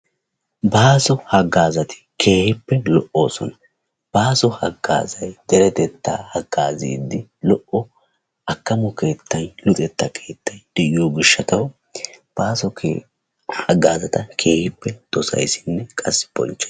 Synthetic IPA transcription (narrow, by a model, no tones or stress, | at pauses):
baːsɔhɐɡaːzɐt̪ʰɪ̥kʰe̞ːhɪpːɛlɔʔo̞ːsɔnɐ | b̥aːsɔhɐɡːa̰ːzɐjd̪̥ɛɾɛt̪ɛt̪ːa̰ːhɐɡaːzḭːd̪ːɪlɔʔɔ | ʔɐkːɐmɔke̞ːt̪ːɐjlʊt̪ʼɛt̪ːɐkʰe̞ːt̪ʰːɐjd̪̥ɛʔɪjoːɡɪʃːɐt̪ɐw | b̥aːsɔ | hɐɡaːzɐt̪ɐkʰe̞ːhɪpːɛd̪̥ɔsɐ̰jsɪ̥nːɛkʼɐsːɪ̥bɔ̰nt͡ʃːɛ